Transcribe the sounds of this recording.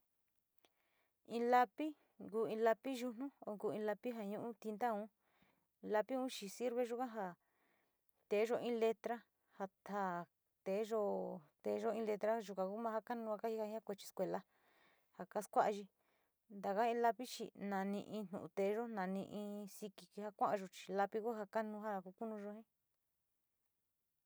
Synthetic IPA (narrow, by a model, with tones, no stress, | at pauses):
ĩ˧la˧pi˦ | ŋɡuː˧ĩ˧la˧pi˦ʒu˧nũ˦o˧ŋkuː˧˨ĩ˧la˧pi˦ɦa˧ɲũ˦ʔũ˦t̪i˧nd̪a˦ũ˦˧ | la˧pi˦ũ˦t͡ʃi˧si˦ɾβe˧ʒu˦kã˦ɦa˧ | t̪e˨˦ʒo˧ĩ˦le˧t̪ɾa˦ | ha˧ha˨ | t̪e˨˦ʒo˦˧t̪e˨˦ʒo˦ĩ˧˦le˧t̪ɾa˦ʒu˧kã˧ku˦mã˧ha˦ka˦nũ˧a˧ka˦hi˦ha˧ɲã˦kʷe˧t͡ʃi̥˧skʷe˧la˧ | ha˧˨ka˦skʷa˦ʔa˧ʒi˧ | nd̪a˨ka˦ĩ˦la˧pi˦t͡ʃi˧nã˨nĩ˧ʔĩ˧n̥nṵ̃˨ṵ̃˧t̪e˨˦ʒo˦nã˨nĩ˧ʔĩ˧si˧ki˧ki˧ha˧kʷã˦ʔã˧ʒo˧t͡ʃi̥˧la˧pi˧ku˦ɦa˧ka˦nũ˧ɦa˦˧ku˧˦ku˦nũ˧ʒo˧hĩ˦